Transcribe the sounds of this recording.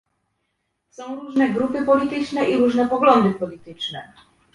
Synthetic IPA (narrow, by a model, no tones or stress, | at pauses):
sɔ̃w̃ɾuʐnɛɡɾupɘpɔlʲit̪ɘt͡ʂnɛʔiɾuʐnɛpɔɡlɔnd̪ɘpɔlʲit̪ɘt͡ʂnɛ